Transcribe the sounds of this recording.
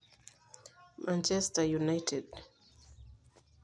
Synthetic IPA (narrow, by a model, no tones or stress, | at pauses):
mʔãnt͡ʃɛstajunajtʰɛd